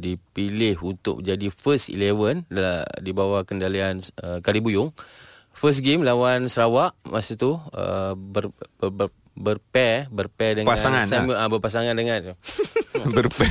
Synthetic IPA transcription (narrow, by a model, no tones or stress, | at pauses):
dipilɪɦunt̪ʊ̰ʔ̚d͡ʒadifəstḭlewəndaladibawakəndalianəkalibujʊŋ | fəs̬ɡemlawansəɾawaʔmasut̪uə̰bər | bərpɛbərpɛdəŋasaŋansamʔabərpas̬aŋandəŋant̪u | bərpɛ